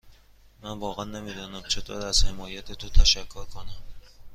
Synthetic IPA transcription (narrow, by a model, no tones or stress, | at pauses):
manvɒːʁanːamed̪ɒːnamt͡ʃʰɪd̪ʰɒ̰ɾaz̥hemɒːjat̪ʰet̪ʰʊt̪ʰaʃakʰːoɾkʰonam